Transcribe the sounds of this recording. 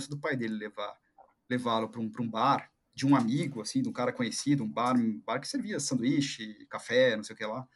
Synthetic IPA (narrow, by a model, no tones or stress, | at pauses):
sʊd̪ʊpajd̪elɪleva̰ | levalʊpɾũpɾũbaɾ | d͡ʒɪũamiɡʊasĩd̪ũkaɾɐkõɲesid̪ʊũbaɾ̃baɾkɪ̥seɾviɐsɐ̃nd̪ʊiʃɪkafɛnõsejʊkela